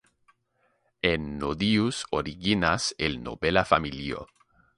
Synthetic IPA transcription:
enːoðiusoɾiɣinaselno̰βelafamiljo̰

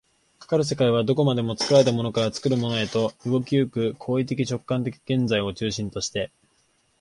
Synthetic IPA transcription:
kḁkaɾɯ̟s̬e̞kaiβad̪o̞ko̞mad̪e̞mo̞t͡sɨ̥kɯ̟ɾaɾe̞t̪̬amo̞no̞kaɾat͡sɨ̥kɯ̟ɾɯ̟mo̞no̞e̞t̪o̞ɯ̟ɡo̞kʲɯːkɯ̟kʰo̞ːit̪e̞kʲit͡ɕo̞kːãnt̪̬e̞kʲi̥ɡ̥ẽ̞nd͡zaio̞t͡ɕɨːɕĩnt̪o̞ɕi̥t̪e̞

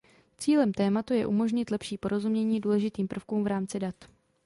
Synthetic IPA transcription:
t͡siːlɛmt̪ɛːmat̪ujɛʔumo̞ʒɲɪt̪lɛpʃiːpo̞ɾo̞zumɲɛɲiːduːlɛʒɪt̪iːmpr̩fkuːmvɾaːmt͡sɪdat̪

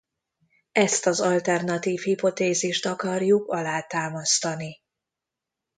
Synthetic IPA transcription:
ɛst̪ɒzɒlt̪ɛrnɒt̪iːfhipo̞t̪eːziʃt̪ɒkɒrjukɒlaːt̪aːmɒst̪ɒni

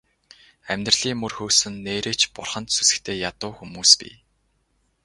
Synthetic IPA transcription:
æmʲt̪rɮ̥iːŋmːɵrxɵːsɘ̆nːeːɾeːt͡ɕpʊ̰rχə̆nt̪susɘ̆kt̪ʰeːjat̪ʊːxumuːspḭː

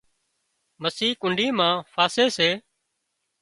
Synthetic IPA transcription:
məsiːkʊɳɖʱiːmãːfʰaːseːseː

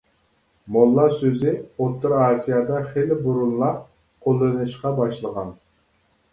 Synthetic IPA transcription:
molˠːɑsøzɪot̪ʰːɨɾɑːsijɑd̪ɑχelɪbuɾunlˠɑ | qʰolˠːɨnɨʃqɑbɑʃlˠəʁɑn

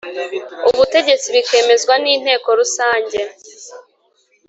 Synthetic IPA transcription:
uβute̞ɟe̞t͡siβike̞ːme̞zɡwaniːn̥he̞ːko̞ɾusaːɲɟe̞

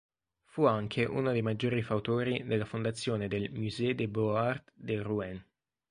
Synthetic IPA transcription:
fuaŋkʰeʔṵnod̪ejmad͡ʒːoːɾifawt̪oːɾid̪elːafond̪at̪sːjoːned̪elmuzɛd̪eboart̪d̪eruɛn

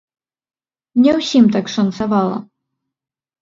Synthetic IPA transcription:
nʲɛwsʲimt̪akʂɐnt̪savalˠɐ̰

